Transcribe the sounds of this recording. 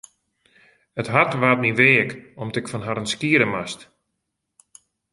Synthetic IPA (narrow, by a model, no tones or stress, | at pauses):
ətɦatʋaːtniʋeːəkɔmtɪkfɔnɦaɾənskiəɾəmast